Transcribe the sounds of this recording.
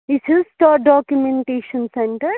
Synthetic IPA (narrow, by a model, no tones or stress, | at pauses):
isisʈaːɖɔːkjumẽɳʈeːʃɐ̃nsɛ̃ɳʈəɾ